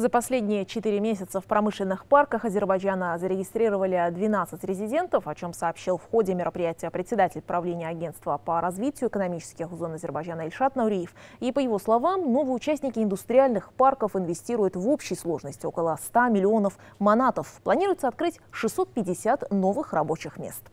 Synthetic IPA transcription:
zəpɐsʲlʲedʲnʲɪjət͡ɕɪt̪ɨɾʲɪmʲes̬ʲɪt̪səfpɾʔɐmɨʂlʲɪnːɨxparkəxɐzʲɪrbɐjd͡ʒanəzəɾʲɪɡʲɪst̪ɾʲiɾəvəlʲɪd̪vʲɪnat̪sɨtʲɾʲɪzʲɪdʲe̞nt̪əfɐt͡ɕo̞msɐːpɕːilˠfxo̞dʲɪmʲɪɾʔəpɾʲɪjætʲɪjəpɾʲɪt̪sʲɪd̪atʲɪlʲpɾɐvlʲenʲɪjəɐɡʲe̞nt̪t̪vəpəɾɐzvʲitʲɪjʊɪkənɐmʲit͡ɕɪ̥skʲɪxzo̞nɐzʲɪrbɐjd͡ʒanəɪlʲʂat̪nəʊɾʲijɪfipəjɪvo̞slˠɐvamno̞vɨjəʊt͡ɕæsʲtʲnʲɪkʲɪɪnd̪ʊst̪ɾʲɪalʲnɨxparkəfɪnvʲɪsʲtʲiɾʊjʊt̪vo̞pɕːɪjslˠo̞ʐnəsʲtʲɪo̞kəlˠəst̪amʲɪlʲɪo̞nəfmɐnat̪əfplˠɐnʲiɾʊjʊt̪səɐt̪̚kɾɨtʲʂɨsːo̞t̪̚pʲɪdʲɪsʲat̪no̞vɨxrɐbo̞t͡ɕɪxmʲḛstt̪

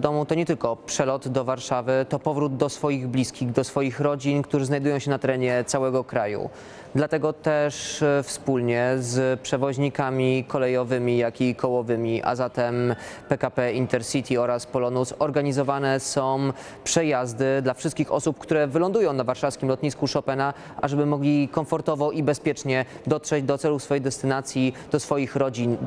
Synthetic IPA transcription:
d̪ɔmut̪ɔɲɛt̪ɘlkɔpʂɛlɔd̪d̪ɔvaɾʂavɘt̪ɔpɔvɾud̪̚d̪ɔsfɔjiɣblʲiskʲiɣd̪ɔsfɔjixɾɔd͡ʑinkt̪uʐɛznajd̪ujɔ̃w̃ɕɛnat̪ɛɾɛɲɛt̪sawɛɡɔkɾajṵ | d̪lat̪ɛɡɔt̪ɛʂfspulɲɛzpʂɛvɔʑɲikamʲikɔlɛjɔvɘmʲijakʲikʰɔwɔvɘmʲiʔa̰zat̪ɛmpɛkapɛint̪ɛɾsit̪ʲiɔɾaspɔlɔnusɔɾɡaɲizɔvanɛsɔ̃w̃ | pʂɛjazd̪ɘd̪lafʂɘst̪kʲixɔ̰sup̚kt̪uɾɛvɘlɔ̃nd̪ujɔ̃w̃navaɾʂafskʲimlɔt̪ɲiskuʂɔpɛna | ʔaʐɛbɘmɔɡlʲikɔɱfɔɾt̪ɔvɔʔibɛspʲjɛt͡ʂɲɛd̪ɔt̪ʂɛd͡ʑd̪ɔt̪sɛlufsfɔjɛjd̪ɛst̪ɘnat̪sʲjid̪̥ɔsfɔjixɾɔd͡ʑin

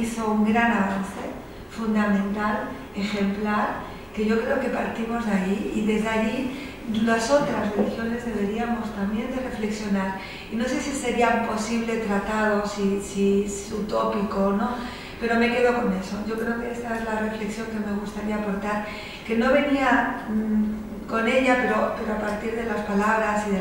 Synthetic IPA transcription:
iso̞uŋɡɾanaβanθe̞ | fund̪amẽ̞nt̪al | e̞xe̞mplaɾ | ke̞ʝo̞kɾe̞o̞ke̞paɾt̪imo̞zðeajiiðe̞zðeaʝi | laso̞t̪ɾazre̞lixjo̞ne̞zðe̞βe̞ɾiamo̞st̪ambje̞nd̪e̞re̞fle̞ksjo̞naɾ | ino̞se̞sise̞ɾiapo̞siβ̞le̞t̪ɾat̪aðo̞sisiesut̪o̞piko̞ːno̞ | pe̞ɾo̞me̞ke̞ðo̞ko̞ne̞so̞ʝo̞kɾe̞o̞ke̞est̪aezlare̞fle̞ksjo̞ŋkeme̞ɣust̪aɾiaːpo̞ɾt̪aɾ | ke̞no̞β̞e̞nia | ko̞ne̞ʎape̞ɾo̞pe̞ɾoapaɾt̪iɾð̞e̞laspalaβɾasiðe

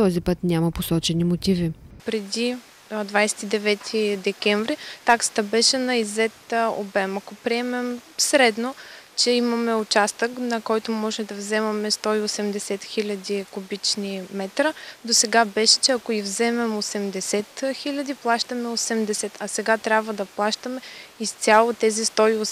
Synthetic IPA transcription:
t̪ɔzipət̪nʲamɐposɔt͡ʃɛnimot̪ivipɾɛd̪i | d̪vajsɛ̥t̪id̪ɛvɛt̪ʰid̪ɛkʲɛɱvɾit̪aksə̥t̪əbɛʃɛnɐizɛt̪o̰bɛmɐkopɾiɛmɛmsɾɛd̪not͡ʃɛimɐmɛʊt͡ʃast̪əknɐkɔjt̪ʊmɔʒɛmd̪ɐvzɛmɐmɛst̪ɔiosɛmd̪ɛsɛt̪xilʲɐd̪ikubit͡ʃnimɛt̪ɾəd̪osɛɡabɛʃɛ̥t͡ʃɛɐkoivzɛmɛmosɛmd̪ɛsɛt̪xilʲɐd̪iplˠaʃt̪ɐmɛosɛmd̪ɛsɛt̪ɐsɛɡat̪ɾʲabvəd̪ɐplˠaʃt̪əmɛist̪sʲalˠot̪ɛzist̪ɔios

